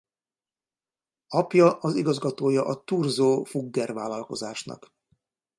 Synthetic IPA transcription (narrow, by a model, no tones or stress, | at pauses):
ɒpjɒʔɒziɡɒzɡɒt̪oːjɒʔɒt̪urzoːfuɡːɛrvaːlːɒlko̞̰zaːʃnɒ̰k